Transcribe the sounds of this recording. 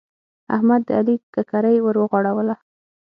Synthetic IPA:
a̰hmad̪ːəalikakaɾajwəɾwəɣwɑɽawəla

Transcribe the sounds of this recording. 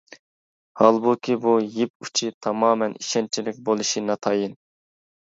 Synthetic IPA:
hɑlˠbukʲibujip̚u̥t͡ʃʰit̪ʰɑmɑːmɛniʃɛnt͡ʃʰilɪk̚ʲbolˠuʃinɑt̪ʰɑjin

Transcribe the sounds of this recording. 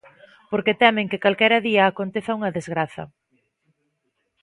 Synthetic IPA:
poɾket̪ɛmɪ̃ŋkɪkalkɛɾɐðiɐːkont̪eθɐuŋɐðezɣɾaθɐ̰

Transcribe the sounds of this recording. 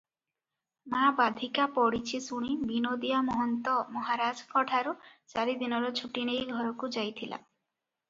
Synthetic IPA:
mabad̪ʱikapɔɽit͡ʃʰisuɽ̃ibinod̪ijamɔɦɔnt̪ɔmɔɦaɾad͡ʒkʰɔʈʰaɾut͡ʃaɾid̪inɔɾɔt͡ʃʰuʈinejɡʱɔɾɔkud͡ʒajt̪ʰila̰

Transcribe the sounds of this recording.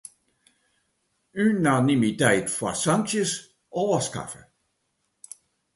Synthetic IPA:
ynanimitɛjtfasaŋʃəs | ɔːɐska̰fə̰

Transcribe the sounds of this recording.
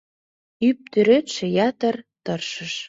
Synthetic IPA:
yp̚t̪øɾøt̪ʃĕjɑt̪ə̆rt̪ɤrʃə̆ʃ

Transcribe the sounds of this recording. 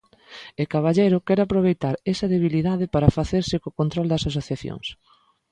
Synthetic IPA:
ekaβaʎejɾʊkɛɾapɾoβ̞ejt̪aɾɛsɐðeβ̞iliðaðɪpaɾɐfaθeɾsɪkokont̪ɾold̪ɐsas̬oθjaθjo̰ŋs

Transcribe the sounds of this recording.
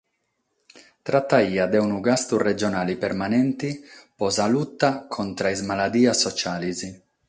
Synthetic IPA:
t̪ɾat̪ːaiːad̪ɛunuɡast̪urɛd͡ʒɔnaːlipɛɾmanɛnt̪ipɔzalut̪ːakʰɔnt̪ɾaizmalad̪iːasːɔt͡ʃaːlizi

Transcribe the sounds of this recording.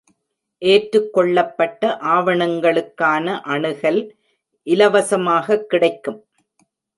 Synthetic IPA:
ʔeːʈɾɯkːɔɭːɐpːɐʈːɐʔaːʋɐɳɐŋɡɐɭɯkːaːnɐʔɐɳɯɣɐl | ʔɪlɐʋɐsɐmaːɣɐkːɪɽɐɪkːɯm

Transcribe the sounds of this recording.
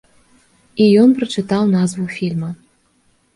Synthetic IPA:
ijɔnpɾɐt͡ʂɨt̪ɑwnazvufʲilʲmɐ

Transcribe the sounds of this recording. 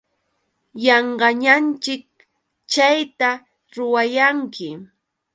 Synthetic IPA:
jɑɴɢɑɲant͡ʃɪk̚ | t͡ʃajt̪a | ɾʊwajaŋkɪ

